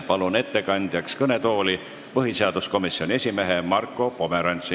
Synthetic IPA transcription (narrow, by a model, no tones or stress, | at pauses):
pɑlune̞t̪ːe̞kɑnʲd̪̥jɑkskɤne̞t̪o̞ːli | pɤɦise̞ɑd̪̥usko̞misio̞nʲie̞sʲime̞ɦe̞mɑrkːˑo̞po̞me̞ɾɑnʲt̪si